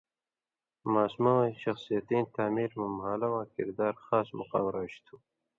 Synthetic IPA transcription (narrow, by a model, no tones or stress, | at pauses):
maːsmawajɕɐxsijɐt̪iːnt̪aːmiːɾmumɦaːlɐwãːkɪ̰ɾd̪aːɾxaːsmʊqa̰ːwɾaɕt̪ʰuː